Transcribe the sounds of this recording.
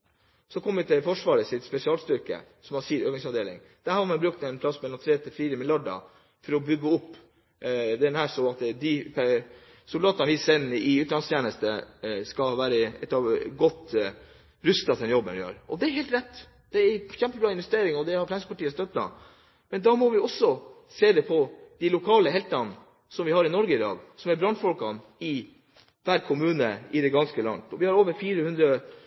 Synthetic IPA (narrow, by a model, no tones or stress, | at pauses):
sɔkʰɔmːʋɪt̪ʰɪlfɔʂʋɑːɾəsɪt̪spɛsɪɑːlst̪ʏɾkə̰ | sɔmɑsiːəɾøːknɪsɑʋd̪eːlɪ̰ŋ | d̪̥æɾhɑɾmɛnbɾʉk̚t̪ɛnpʰlɑsːmɛlɔmt̪ʰɾeːt̪ʰɪlfiːɾəmɪljɑɖɑ̰ | fɔɾɔbʏɡːəʊpː | d̪ɛnhæːʂɔɑt̪d̪ɪp | sʊld̪ɑːt̪ɑnʋɪsɛnəʔɪʉːt̪lɑnst̪ʰjeːnəst̪əskɑʋæːɾəɛ̰t̪ːɑʋɡɔt̪ː | ɾʉst̪ɑt̪ɛnjɔbːənʋɪhɑ̰ːɾɔd̪ɛæɾɦeːlt̪ɾɛt̪ː | d̪ɛæɾçɛmpəbɾɑːɪnʋɛst̪eːɾɪŋɔd̪ɛhɑɾflɛnsəpʰɑʈiːəst̪œt̪̚blɑ̰n | mɛnd̪ɑːmɔʋɪɔsːɔ | seːd̪ɛpʰɔd̪̥ɪlʊkʰɑːləɦɛlt̪ɑn | sɔmʋɪhɑɾɪnɔɾɡəɪd̪ɑ̰ːɡsɔmæɾbɾɑnfɔlkɑn | ɪ | ʋæːɾkʰʊmʉːnəɪd̪ɛɡɑnskəlɑ̰nt̪ɔʋɪhɑɾoːʋəɾfiːɾəhʉnd̪ɾə